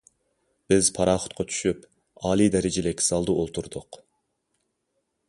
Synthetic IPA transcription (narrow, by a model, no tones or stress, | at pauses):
b̥ɪz̥pʰɑɾɑːχʊ̥t̪̚qʰɑt͡ʃʰy̥ʃyp | ɑːlˠid̪ɛɾɪd͡ʒɪlɪkʲsɑlˠd̪uolˠt̪ʰuɾd̪ʊq